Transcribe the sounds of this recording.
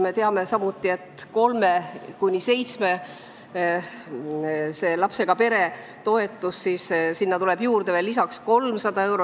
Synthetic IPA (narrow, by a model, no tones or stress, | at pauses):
me̞t̪eɑme̞sɑmut̪ˑːie̞t̪ko̞lme̞kujnʲise̞jt̪sme̞ | se̞ːlɑpse̞ɡ̥ɑpe̞ɾe̞ | t̪o̞e̞t̪ːˑussiːssinːɑt̪ule̞b̥juːrd̪̥e̞velːisɑksko̞lmsɑd̪̥ɑe̞wɾo